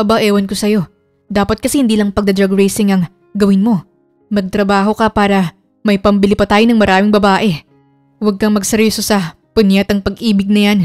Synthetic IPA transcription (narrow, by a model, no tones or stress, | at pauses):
ʔɐbaʔɛːwɐnko̞sɐjo̞ | d̪aːpɐt̪̚kɐsɛhɪnd̪iːlɐŋpɐɡ̚d̪ɐd̪ɾɐɡɹejsɪŋɐŋ | ɡɐwɪnmo̞ | mɐɡ̚t̪ɾɐbaːɦo̞kɐpaːɾɐ | mɐjpɐmbɪlipɐt̪aːjo̞nɐŋmɐɾʔaːmɪŋbɐbaːʔɛ | wɐɡ̚kɐŋmɐɡ̚sɛɾoːsosɐ | pʊnjat̪ɐŋpɐɡʔiːbɪɡ̚nɐjan